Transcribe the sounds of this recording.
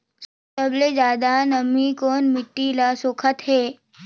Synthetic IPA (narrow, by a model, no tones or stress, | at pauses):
səbled͡ʒaːd̪anəmikoːnmiʈːilasoːkʰət̪ɦe